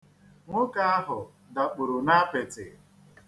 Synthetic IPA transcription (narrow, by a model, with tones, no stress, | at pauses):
ŋʷʊ˦ka˨a˦ɦʊ˨ | da˨k͡pʊ˨ɾʊ˨na˦a˦pe˨tɪ̰˨